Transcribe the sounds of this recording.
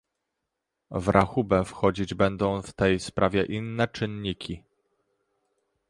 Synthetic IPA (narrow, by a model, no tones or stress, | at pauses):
vɾʔaxubɛfxɔd͡ʑid͡ʑbɛnd̪ɔ̃w̃ft̪ɛjspɾʔavʲjɛʔinːɛt͡ʂɘnɲikʲʰi